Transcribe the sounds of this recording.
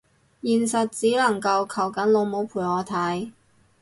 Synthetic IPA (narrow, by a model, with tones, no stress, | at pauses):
jiː˨nsɐ˨t̚t͡siː˨˥lɐ˨˩ŋkɐ˧wkʰɐ˨˩wkɐ˨˥nlo˨˧wmo˨˥wpʰuː˨˩jɔː˨˧t̪ʰɐ˨˥j